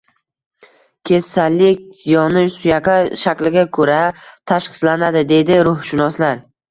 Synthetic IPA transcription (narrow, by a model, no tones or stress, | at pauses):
kʲʰe̞sːalːɪkʲz̥ijɒnɪsʊjaqʰaʃakʲlɪɡʲakʰɵɾat̪ʰaʃqɨ̥slanad̪ɪd̪e̞d̪ɪɾʊhʃɪnɒslaɾ